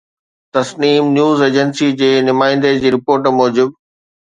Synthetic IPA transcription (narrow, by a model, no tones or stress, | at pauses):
t̪ɐsniːmnjuːzeːd͡ʑənsid͡ʑeːnʊmaːɪ̃n̆d̪ed͡ʑiːɾɪpoːɾʈmɔːd͡ʑɪb̚